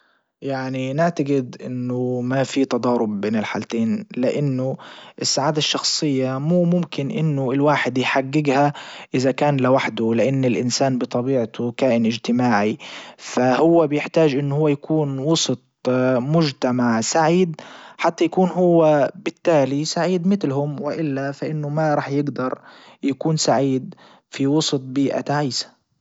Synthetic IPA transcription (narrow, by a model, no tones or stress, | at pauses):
jaʕninɪʕt̪aɡɪd̪ʔɪnːʊmafit̪ɑd̪ˤɑːɾˤʊbbeːnɪlħa̰ːlt̪eːnlɪʔanːʊʔɪsːaʕaːd̪aʃːɑxsˤɨjːamuːmʊmkɪnʔɪnːʊɪlwaːħɪd̪jħaɡːɪɡhaʔɪðakaːnlɪwaħd̪ʊlɪʔanːɪlʔɪnsaːnbɨt̪ˤɑbiːʕt̪ʊkaːʔɪnʔɪd͡ʒt̪ɪmaːʕifahʊwːabɪjɪħt̪aːd͡ʒʔɪnːʊhʊwːajakuːnwɑsˤt̪̚ˤmʊd͡ʒt̪amaʕsaʕiːd̪̚ħat̪ːajakuːnɦʊwːabɪt̪ːaːlisaʕiːd̪mɪt̪lhʊmwɪʔɪlːafaʔɪnːʊmaɾˤɑːħjɪɡd̪ɑɾˤ | jakuːnsaʕiːd̪ | fiwɑsˤt̪̚ˤbiːʔa̰t̪aʕaːsḁ